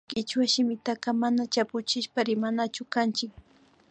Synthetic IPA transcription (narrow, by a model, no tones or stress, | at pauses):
kɪt͡ʃwaʃɪmɪt̪aqɑmanat͡ʃapʊt͡ʃɪʃpaɾɪmanat͡ʃʊkant͡ʃɪk̚